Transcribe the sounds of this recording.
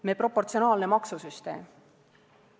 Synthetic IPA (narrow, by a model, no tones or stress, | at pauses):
mepro̞pːo̞rt̪sio̞nɑːlne̞mɑksusyst̪e̞̰ːm